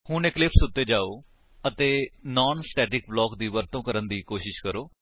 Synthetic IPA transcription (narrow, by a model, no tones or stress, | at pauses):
hʊneklɪpsʊt̪ːeːd͡ʒaːoː | ət̪eːnaːnsʈɛːʈɪk̚blɔːkd̪iːʋəɾt̪õːkəɾənd̪iːkoːʃɪʃkəɾoː